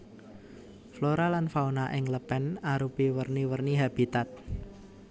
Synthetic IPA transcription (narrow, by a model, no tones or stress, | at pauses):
floɾalanfaunaʔɪŋləpɛnaɾupiwərniwərniɦab̥it̪at̪̚